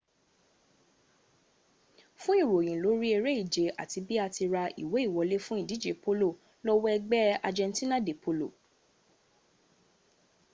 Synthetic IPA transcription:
fũ˦i˦˨ɾo˨j̃ĩ˨lo˨˦ɾi˦e˧ɾe˦i˦˨d͡ʒe˨a̰˨ti˨˧bi˦a˧ti˧ɾa˧ḭ˨we˨˦i˦˨wɔ˨˧le˦fũ˦i˦˨di˨˦d͡ʒe˨po˦lo˦˨ | lɔ˦wɔ˦ɛ˧ɡ͡bɛ˦a̰˧d͡ʒɛ̃˧n˦tĩ˦nã˦˨de˨po˧lo̰˦˨

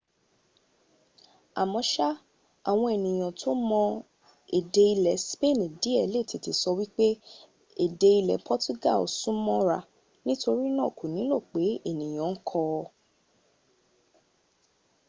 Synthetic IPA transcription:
a̰˨mɔ̃˧˦ʃa˦ | a˨w̃ɔ̃˧ɛ˨nĩ˨j̃ã˨tʰo˦mɔ̃˧ | e˨de˧i˧lɛ˨spe˦˨nĩ˨di˨˦ɛ˨le˦˨ti˨ti˨sɔ˧wi˦k͡pe˦ | e˨de˧i˧lɛ˨pʰɔ˦tu˦ɡa̰˦˨lo˨sũ˦mɔ̃˦ɾa˧ | nĩ˦to˧ɾi˦nã˦˨ku˨nĩ˨˦lo˦˨k͡pe˨˦e˦˨nĩ˨j̃ã˨˦n̩˦kʰɔ˧

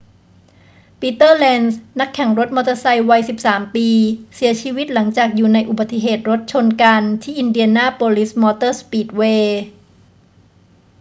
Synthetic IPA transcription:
piː˧t̪ɤː˥˩lɛ˧nsna˦˥kʰːɛ˨˩˦ŋɾo˧˦˥t̪̚mɔː˧t̪ɤ˧sa˧jwa˧jsi˨˩p̚saː˩˦mpiː˧si˩˦ɐt͡ɕʰiː˧wi˦˥t̪̚la˩˦ŋt͡ɕaː˨˩k̚juː˨˩na˧jʔu˨˩ba˨˩t̪ːi˨ɦeː˨˩t̪̚ɾo˦˥t̪̚t͡ɕʰo˧nka˧nt̪ʰiː˥˩ʔi˧ndi˧ənaː˥˩poː˧li˦˥smɔː˧t̪ɤː˥˩spiː˨˩t̪̚weː˧

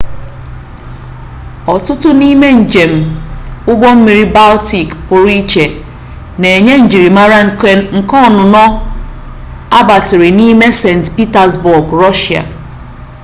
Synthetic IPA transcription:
ɔ˨tʊ˦tʊ˦ni˦me˦n̩˨d͡ʒe˨m̩˨ʊ˦ɡ͡bɔ˦m̩˦mi˨ɾi˦ba˦lti˨kpʊ˨ɾi˦t͡ʃe˨ | ne˨e˨ɲe˦n̩˨d͡ʒi˨ɾi˨ma˦ɾa˦ŋ̩˨kɔ˦˨nʊ˨nɔ˦ | a˦ba˨tɪ˨ɾi˨ni˦me˦se˨n̩˨tpi˦ta˨zbʊ˨ɡɾɔ˦ʃi˨a̰˨

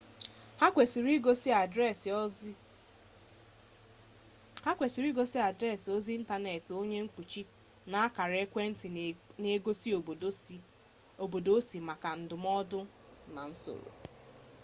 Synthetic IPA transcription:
hʷe˨sɾi˦ɡo˦s | ha˦kʷe˨si˨ɾi˦ɡo˦si˦a˨dɾe˦˨so˦zi˦n̩˦ta˦ne˨to˦ɲe˦ŋ̩˦k͡pu˨t͡ʃi˦ | na˦a˦ka˨ɾe˦kʷe˦n̩˦ti˨ne˦ɡo˦si˦o˨˦ | o˨bo˨do˦si˨ma˨ka˨n̩˨dʊ˨mɔ˦dʊ˦ | na˨n̩˦so̰˨ɾo̰˨

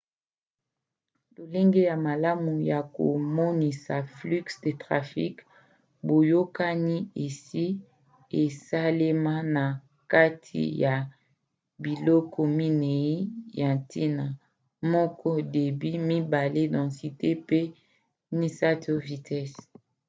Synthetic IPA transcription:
lo˨le˦ŋɡe˦ja˨ma˨la˦mu˨ja˨ko̰˨mɔ˦ni˨sa˨fly˦ksde˨tʁa˨fḭ˦k | bo˨jo˦ka˦ni˦e˨si˦ | e˨sa˦le˦ma˦na˨ | ka˦tʰḭ˨ja˨ | bi˨lɔ˦kʰɔ˦mi˦ne˨i˦ja˨ti˦na˨ | mɔ˦kɔ˦de˨bi˦mi˦ba˨le˦dɔ̃˨si˨te˦pe˦ | ni˦sa˦to˦vi˨tɛ˦s

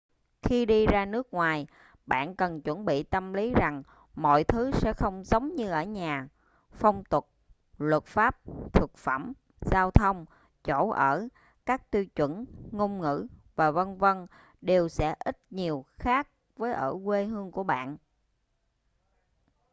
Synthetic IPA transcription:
xi˧ɗi˧zaː˧nɨ˦˥ək̚ŋwaː˨˩j | ɓa̰ː˧˨nkə˨˩nt͡ɕwə˧˩nɓḭ˧˨t̪ə˧mli˨˦za˨˩ŋ | mɔ̰˧˨jt̪ʰɨ˨˦sɛ̰˧˥xə˧wŋ͡mzə˨˦wŋ͡mɲɨ˧ʔəː˧˩ɲaː˨˩ | fə˧wŋ͡mt̪ʊ˨˩t̚ | lwə˨˩t̚faː˦˥p̚t̪ʰɨ˨˩k̚fə˧˩m | z̥aː˧wt̪ʰə˧wŋ͡m | t͡ɕo̰˧˩˥ʔəː˧˩ | kaː˦˥k̚t̪wi˧wt͡ɕwə̰˧˩nŋo˧mŋɨ̰˧˥vaː˨˩və˧nvə˧n | ɗe˨˩wsɛ̰˧˥ʔi˦˥t̚ɲi˨˩əwxaː˦˥k̚ | vəː˨˦jʔəː˧˩kwe˧ɦɨ˧əŋku˧˩əɓa̰ː˧˨n

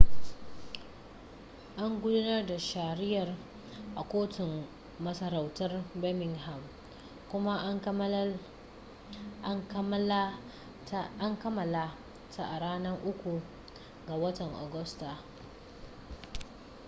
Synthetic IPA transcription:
ʔa˦ŋɡʷʊ˦dʊ˦nɐ˦rda˨ʃa˨ɾɪ˦jɐ˨r | ʔa˨kʷoː˦tʊ˨m | mɐ˦sɐ˦ɾa˨wtɐ˦rbɛ˦mɪ˨ŋɦa˨m | kʷʊ˦ma˦ʔ | ʔa˦ŋkɐ˦mɐ˨la˦ | ta˦ʔa˨ɽaː˦nɐ˦rʔʊ˦kʷu˨ | ɡa˨wɐ˦tɐ˨ŋʔa̰˨ɡʊ˦sta˨

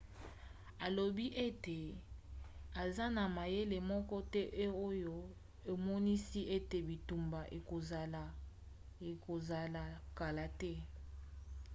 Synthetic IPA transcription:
a˨lo˨bi˦ʔe˦te˨ | a˨za˦na˨ma˨je˦le˨mɔ˦kɔ˦tɛ˦ʔe˦o˦jo˦ | e˨mɔ˦ni˦si˦ʔe˦te˨bi˨tu˨mba˨ʔe˨ko˨za˨la˨ | e˨ko˨za˨la˨ka˨la˨tɛ˦

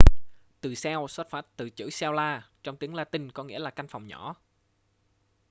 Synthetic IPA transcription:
t̪ɨ˨˩sɛ˧wsə˦˥t̚faː˦˥t̚t̪ɨ̰˧˨˩t͡ɕɨ̰˧˥sɛ˧wlaː˧t͡ɕɔ˧wŋ͡mt̪i˨˦əŋlaː˧t̪ï˧ŋkɔ˨˦ŋḭ˧˥əlaː˨˩ka˧jŋ̟fa˨˩wŋ͡mɲɔ˧˥

